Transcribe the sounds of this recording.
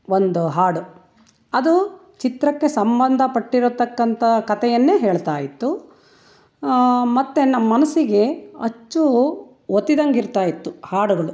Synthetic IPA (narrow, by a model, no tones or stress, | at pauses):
ond̪uɦaːɽu | ɐd̪u | t͡ʃit̪ɾɐkːe̞sɐmbɐnd̪ʱɐpɐʈːiɾut̪ːɐkːɐnt̪ʰɐkɐt̪ɛjɐnːeːɦeːɭt̪aːjit̪ːu | mɐt̪ːenɐmːɐnɐsiɡe̞ɐ̰t͡ʃːu | ot̪ːid̪ɐŋɡiɾt̪aːjit̪ːuhaːɽuɡɐɭu